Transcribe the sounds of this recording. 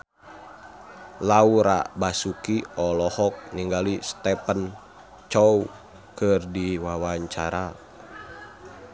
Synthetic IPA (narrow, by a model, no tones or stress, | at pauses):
lauɾa̰basukiɔlɔhɔk̚niŋɡalist̪ɛpən | t͡ʃɔu | kɨrdiwawaɲt͡ʃaɾa